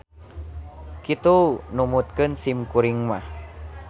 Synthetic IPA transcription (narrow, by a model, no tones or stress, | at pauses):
kit̪unumut̪̚kənsimkuɾiŋmah